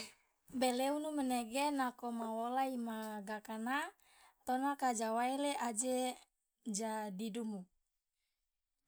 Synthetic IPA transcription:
bɛleunumɛnɛɡenakomawolaimaɡakana | t̪ɔnakad͡ʒawaileʔad͡ʒe | d͡ʒadidumu

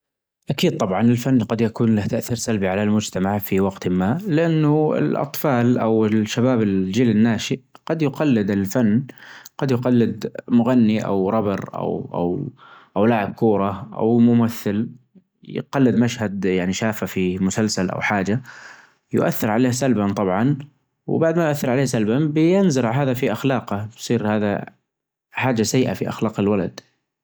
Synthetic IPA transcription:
ʔakiːd̪̚t̪ˤɑbʕɑnɪlfanːqɑd̪jakuːnlaht̪aʔθiːɾsalbiʕalalmʊd͡ʒt̪amaʕfiwɑɡt̪mːaːlɪʔanːʊɪ̰lʔɑ̰t̪ˤfɑːlʔawɪʃːabaːbɪld͡ʒiːlɪnːaːʃiʔqɑd̪jʊqɑlːɪd̪ɪlfanːqɑd̪jʊqɑlːɪd̪mʊɣanːiʔa̰wɾˤɑbɑɾʔa̰wʔa̰wʔawlaːʕɪb̚kuːɾˤɑʔa̰wmʊmaθːɪl | j̰qɑlːɪd̪maʃhad̪jaʕniʃaːfafimʊsalsalʔa̰wħaːd͡ʒa | jʊ̰ʔa̰θːɪɾʕaleːhsalbant̪ˤɑbʕɑn | w̰baʕd̪majʊʔaθːɪɾʕaleːhsalbabɪjɪnzʊɾɦaːðafiʔaxlɑːqabsˤiːɾhaːða̰ | ħaːd͡ʒasajːʔa̰fiʔa̰xlɑːqɪlwalad̪̥

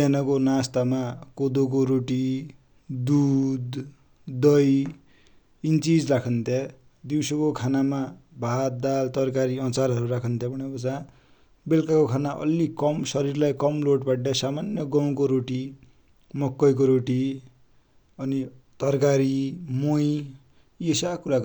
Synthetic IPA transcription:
anʌkonast̪amakod̪ok̬oɾoʈi | d̪ud̪ | d̪ʌj | int͡sid͡zrakʰʌnt̪ʰje | d̪iwsʌkokʰanamabʱat̪̚d̪alt̪ʌrkaɾiʌnt͡saɾɦʌɾuɾakʰʌnt̪ʰjebʱʌɽ̃ekot͡sã | belkakokʰanaʔʌ̰lːikʌmsʌɾirlajkʌmloʈbaʈɖasamanjʌɡʌw̃koɾoʈi | mʌkːʌjk̬oɾoʈi | ʌnit̪ʌrkaɾimoj | esakuɾak

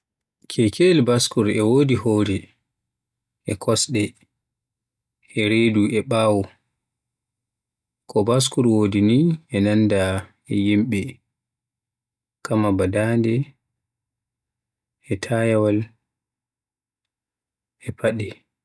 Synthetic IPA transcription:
kʰɛkʰelbaskuɾɛwoːdihoːɾɛ | ʔɛkʰɔsɗɛ | ɛɾeduɛɓaːwɔ | kʰɔbas̬kuɾwodiniɛnanda | ɛjimɓɛ | kʰamabadandɛ | ɛtʰajawal | ɛpʰaɗɛ

